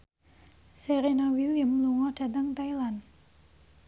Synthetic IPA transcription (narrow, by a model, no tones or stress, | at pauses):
seɾenawiliəmluŋɔɖ̥a̤t̪əŋt̪ajlan